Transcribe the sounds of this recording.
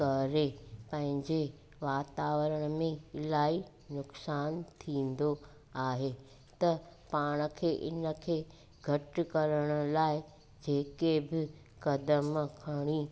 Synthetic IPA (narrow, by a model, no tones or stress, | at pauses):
kɐɾepɐ̃ɦɪ̃ɲd͡ʑe | ʋaːt̪aːʋəɾəɽ̃əmẽɪlaːi | nʊksaːnt̪ʰĩːn̆d̪o | aːɦe | t̪ɐpaːɽ̃ə̆kʰeːʔɪnə̆kʰeː | ɡʱɐʈkɐɾəɽ̃əlaːɪ | d͡ʑeːkebɪ | kɐd̪əmkʰɐɽ̃i